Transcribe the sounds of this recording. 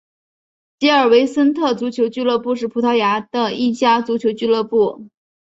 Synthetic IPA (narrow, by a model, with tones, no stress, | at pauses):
t͡ɕi˥ə˞˨˩we˧˥ɪsə˥nt̪ʰɤ˥˩t͡su˧˥t͡ɕʰjo˧˥ʊt͡ɕy˥˧lɤ˥˧pu˥˧ʂ̬ɻ̩˥˩pʰu˧˥t̪ʰɑ˧˥ʊja˧˥d̪ə˧i˥˩t͡ɕja˥t͡su˧˥t͡ɕʰjo˧˥ʊt͡ɕy˥˧lɤ˥˧pu˥˩